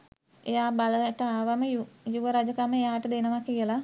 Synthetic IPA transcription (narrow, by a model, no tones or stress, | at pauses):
ejaːbaləʈəaːʋaməjujuʋəɾad͡ʒəkaməejaːʈəd̪enəʋakiəla